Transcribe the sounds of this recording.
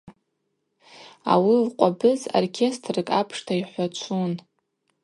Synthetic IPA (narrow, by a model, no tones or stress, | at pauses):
a̰wilqʷʼabɨzo̰rkʲʰe̞stʰrɨkʼapʰʂtʰaiħʷat͡ʃʷʰun